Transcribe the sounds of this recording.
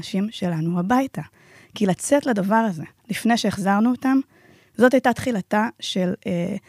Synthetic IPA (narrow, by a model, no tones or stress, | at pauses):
ʃimʃe̞lanuabajta | kilat͡se̞tladavaʁaze̞lifnejʃeeχzaʁnuotam | zo̞tajtat̪χilataʃe̞le